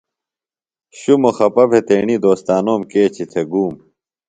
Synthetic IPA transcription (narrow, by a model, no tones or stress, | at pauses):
ɕumoxɐpɐbʱet̪eːɳid̪oːst̪aːnoːmkeːt͡ɕʰit̪ʰeɡuːm